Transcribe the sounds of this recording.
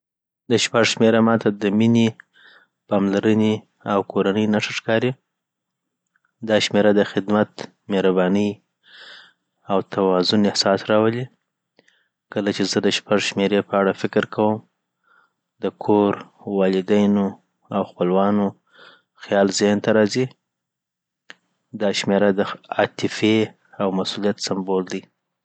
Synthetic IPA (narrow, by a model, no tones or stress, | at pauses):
d̪əʃpaʐʃmeɾamɑt̪ʰad̪əmine | pɑmlaɾəne | awkoɾanəjnaʂəʂkɑɾi | d̪ɑʃmeɾad̪əxɪd̪mat̪ | meɾabɑnəj | awt̪ʰawɑzʊnɪhsɑsɾɑwəli | kəlat͡ʃezəd̪əʃpaʐʃmeɾepəaɽafɪkɾkʰawəm | d̪əkʰoɾwɑlɪd̪ajno | awxpəlwɑno | xjɑlzɪhnt̪aɾɑzi | d̪ɑʃmeɾad̪əɑ̰t̪ɪfe | awmasulijat̪sambold̪i